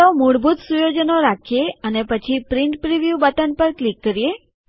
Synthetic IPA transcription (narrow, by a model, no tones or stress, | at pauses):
omuɽbʱut̪sujod͡ʒənoɾakʰjeənepət͡ʃʰipɾiɳʈpɾiʋjubət̪ənpəɾklikːəɾije